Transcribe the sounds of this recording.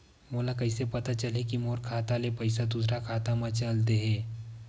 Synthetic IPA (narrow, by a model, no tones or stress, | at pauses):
moːlakɐɪsepɐt̪at͡ʃɐlekimoːɾkʰaːt̪alepɐɪsad̪uːsɾakʰaːt̪amãt͡ʃəlt̪̬eɦɛ̃ː